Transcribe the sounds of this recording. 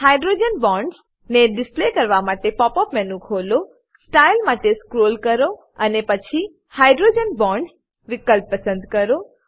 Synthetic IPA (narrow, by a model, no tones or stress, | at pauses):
hajɖɾod͡ʒənbɔ̃ɳɖs | neɖɪsplekəɾʋamaʈepɔpɔpmɛnũkʰolo | sʈajlmaʈeskɾolkəɾo | ənepət͡ʃʰi | hajɖɾod͡ʒənbɔ̃ɳɖs | ʋɪkəlpːəsə̃nd̪kəɾo